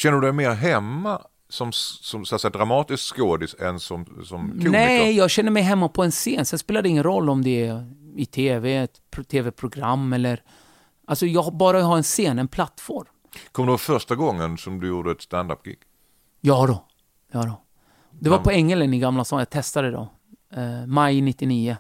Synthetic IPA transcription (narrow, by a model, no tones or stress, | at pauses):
ɕɛnːəɾd̪ɵd̪ɛjmeːɾɦɛmːa | sɔmsɔmsɔat̪sɛjad̪ɾamɑːt̪ɪskskoːd̪ɪsɛ̰nsɔmsɔmʰnɛjɑːɡɕɛnːəɾmɛjɦɛmːapʰɔɛnseːnsɛnspeːlad̪ɛɪŋːənɾɔlːɔmd̪ɛɪt̪ʰeːvɛt̪ʰ | t̪ʰːeːvɛpʰɾʊɡɾamːɛlːəɾ | ʔalsɔjɑːɡbɑːɾaɦɑːɛnseːnɛnpʰlat̪ːfɔɾm | kʰɔmd̪ɛvafœɾʂʈaɡɔŋːənsɔmd̪ɵjuːd̪əɛt̪st̪ænd̪a̰pːɡ̥ɪ̰ɡ̥ | jɑːd̪ɔ | jɑːd̪ɔ | d̪ɛvapʰɔɛŋːɛlənɪɡamlasɑːjɑːt̪ʰɛst̪ad̪əd̪ɔ̰ | majnɪt̪ːɪniːə